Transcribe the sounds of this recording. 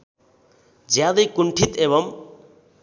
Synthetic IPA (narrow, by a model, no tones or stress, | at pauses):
d͡zjad̪ʌjkuɳʈʰit̪ebʌm